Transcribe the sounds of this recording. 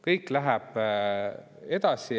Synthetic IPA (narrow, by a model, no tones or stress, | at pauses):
kɤjkːlæɦæb̥ | e̞d̪̥ɑsi